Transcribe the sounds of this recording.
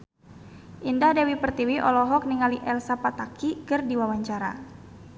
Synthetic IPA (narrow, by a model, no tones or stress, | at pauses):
ʔindadawipərt̪iwiʔɔlɔɦɔk̚niŋaliʔɛlsapat̪akikɨrdiwawaɲt͡ʃaɾa̰